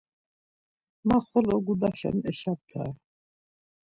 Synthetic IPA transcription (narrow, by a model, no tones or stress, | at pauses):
maχɔlɔɡud̪aʃɛ̰nɛʃab̚t̪ʰa̰